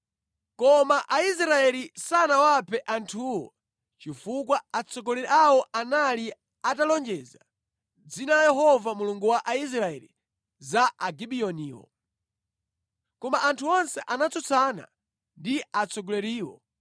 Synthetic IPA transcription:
kɔmaʔais̬ɾaɛlisanawapʰɛʔantʰuwɔ̰ | t͡ʃifukwaat͡sʰɔɡɔlɛɾɛawɔʔanali | atalɔnd͡ʒɛza | d͡zinalajɛɦɔvamuluŋɡuwaʔais̬ɾaɛ̰li | zaʔaɡiɓiɔniːwɔ̰ | kɔmaʔantʰuɔnsɛʔanat͡sɔt͡sʰana̰ | ndiat͡sʰɔɡɔlɛɾiːwɔ̰

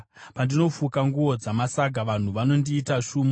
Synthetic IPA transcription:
pandino̞fukaŋɡuod͡zamasaɡʱaʋan̤uʋano̞ndiːtaʂuːmo

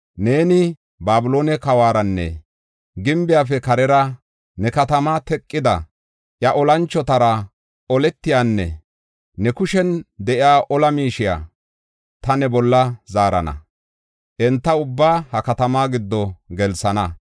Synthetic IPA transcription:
ne̞ːnɪ | baːbʊlo̞ːnɛkɐwaːɾɐnːɛ̰ | ɡɪmbɪjaːfɛkɐɾɛɾɐ | nɛkɐt̪ɐmat̪ɛkʼːɪd̪ɐ | ʔjɐʔɔlɐnt͡ʃːɔt̪ɐɾɐ | ɔlɛt̪ːɪjaːnːɛ̰ | nɛkʊʃɛnd̪ɛʔɪaːʔɔlɐmiːʃɪja̰ː | t̪ɐnɛbɔlːɐzaːɾɐnɐ̰ | ʔɛnt̪ːɐʊbːaːhɐkɐt̪ɐmaːɡɪd̪ːɔɡɛlsɐnɐ

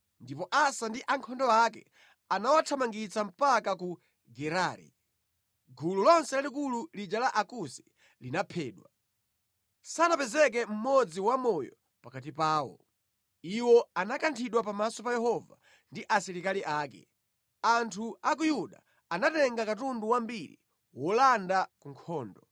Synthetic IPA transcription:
ndipɔʔasandiʔaŋkʰɔndɔakɛ̰ | anawatʰamaŋɡit͡sam̩pakaku | ɡɛɾaːɾḭ | ɡʱululɔnsɛlalikululid͡ʒalaʔakusi̥ | linapʰɛːɗwa | sanapɛzɛk̬ɛm̩mɔd͡ziwamɔjɔ̰ | pakatipaːwɔ̰ | iwɔanakantʰiɗwapamasɔpajɛɦɔva̰ | ndiʔasiɾikaliʔaːkɛ̰ | antʰuak̬ujuɗa̰ | anatɛŋɡakatunduwambiɾḭ | wɔlandakuŋkʰɔːndɔ

